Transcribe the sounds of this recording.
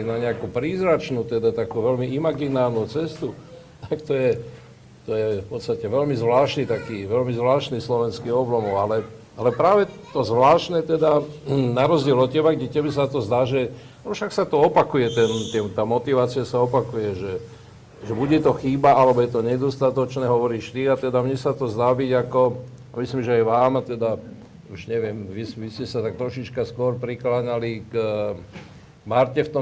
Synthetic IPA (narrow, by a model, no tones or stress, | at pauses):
inaɲɛakupɾiːzɾat͡ʃnuːt̪ɛd̪at̪akuːʋɛlmiimaɡinaːɾnuːt͡sɛst̪u | t̪akt̪ɔjɛ | t̪ɔjɛfpɔt̪st̪acɛʋɛlmizʋlaːʃnit̪akiːʋɛlmizʋlaːʃniːslɔʋɛnskiɔblɔmɔʊalɛ | alɛpɾaːʋɛt̪ɔzʋlaːʃnɛt̪ɛd̪anaɾɔzɟɪɛlɔcɛbaɡɟɛcɛbɛsat̪ɔzd̪aːʒɛ | ɔfʃaksat̪ɔɔpakujɛt̪ɛnt̪ɪɛmt̪aːmɔt̪iʋaːt͡siasaɔpakujɛʒɛ | ʒɛbuɟɛt̪ɔxiːbaalɛbɔjɛt̪ɔɲɛd̪ɔst̪at̪ɔt͡ʃnɛːɦɔʋɔɾiːʃt̪iat̪ɛd̪amɲɛsat̪ɔzd̪aːbiɟakɔ | amislimʒɛajʋaːmat̪ɛd̪a | uʒɲɛʋɪɛmʋisʋiscɛsat̪ak̚t̪ɾɔʃit͡ʃkaskʊɔɾpɾiklaɲalik | maɾcɛft̪ɔ